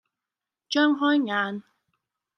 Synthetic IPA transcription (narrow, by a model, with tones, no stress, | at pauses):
t͡ʃœː˥ŋɦɔː˥jŋaː˨˧n